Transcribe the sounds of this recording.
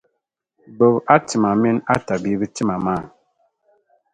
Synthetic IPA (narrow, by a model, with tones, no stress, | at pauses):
bo˨ba˦ti˨ma˨mi˦na˦ta˨bi˦bi˦ti˦ma˨ma˦˨